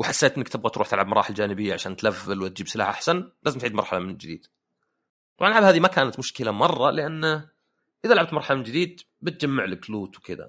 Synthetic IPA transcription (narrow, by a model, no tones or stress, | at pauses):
wɪħasːeːt̪ʔɪnːkt̪ɪb̚ɣat̪ɾuːħt̪ɪlʕabmɑɾˤɑːħɪld͡ʒaːnɪbɪjːaʕaʃaːnt̪lavːalwɪt̪̚d͡ʒiːbsɪla̰ːħʔaħsanlaːzɪmt̪ʕiːd̪mɑɾˤħalamɪnd͡ʒɪd̪ḭːd̪ | t̪ˤɑbʕɑnʔlʕabhaːðimakaːnat̪mʊʃkɪlamɑrˤːɑlɪʔanː | ʔɪðalʕabt̪mɑɾˤħalamɪnd͡ʒɪd̪iːd̪̚ | bɪt̪̚d͡ʒamːaʕlɪkluːt̪wɪkɪd̪a̰